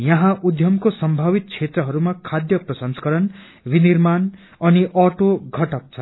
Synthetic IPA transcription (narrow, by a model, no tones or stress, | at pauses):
jʌɦãʔud̪ʱjʌmkosʌmbʱabit̪̚t͡sʰet̪rʌɦʌɾumakʰad̪jʌprʌsʌnskʌɾʌn | binirman | ʌniʔʌʈoɡʱʌʈʌk̚t͡sʰʌ